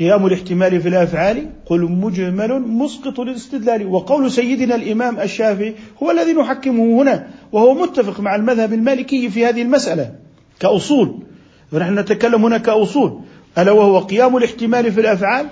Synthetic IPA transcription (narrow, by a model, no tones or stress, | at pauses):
qɨjaːmʊlɪħt̪ɪmaːlifilʔafʕaːliqʊlmʊd͡ʒmalʊmʊsqɨt̪ˤlɪlɪst̪ɪd̪laːliwɑqɑwlsajːɪd̪nalʔɪmaːmʔaʃːaːfɪʕihʊwalːaðinʊħakːɪmʊhhʊnawahʊwamʊt̪ːafɪqmaʕalmaðhabalmaːlɪkɪjːfihaːðɪhɪlmasʔala | kaʔʊsˤuːl | anaħnʊnat̪akalːamhʊnakaʔʊsˤuːl | ʔalːawahʊwaqɨjaːmʊlɪħt̪ɪmaːlifilʔafʕaːl